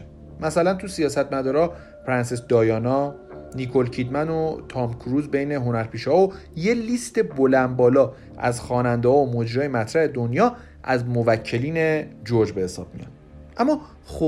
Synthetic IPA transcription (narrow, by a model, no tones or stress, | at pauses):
mæsælænt̪ʰusijɒːsæt̪̚mæd̪ɒːɾɒː | pʰɾænsesd̪ɒːjɒːnɒː | nikʰo̞lcʰid̪mænot̪ʰɒmkʰɾuːzbe̞jne̞ɦo̞næɾpʰiːʃhɒoje̞liːst̪e̞bolæmbɒːlɒː | ʔæ̰zxɒːnænd̪ehɒːomod͡ʒiɾɒːjemæt̪ʰɾæhe̞d̪onjɒː | ʔæzmovæcʰːe̞liːne̞d͡ʒoɾd͡ʒbe̞he̞sɒːb̥̚mḭjɒ̰n | ʔæmːɒː | xo